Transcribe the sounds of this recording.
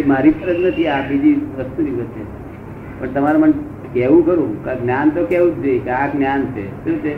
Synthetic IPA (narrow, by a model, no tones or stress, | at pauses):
maɾipəɾət̪nət̪ʰiabid̪ʱiʋəst̪ubiɡət̪e | pəɳt̪əmaɾaməɳ | kɛʋũkəɾũkaɡnjant̪okɛũdekaknjansʰet̪eut̪e